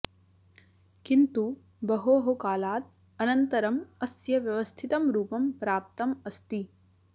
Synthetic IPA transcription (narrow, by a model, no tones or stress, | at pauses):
kint̪u | bɐɦoːɦokaːlaːt̪̚ | ɐnɐnt̪ɐɾɐmɐsjɐʋjɐʋɐst̪ʰit̪ɐmɾuːpɐmpɾaːp̚t̪ɐmɐst̪i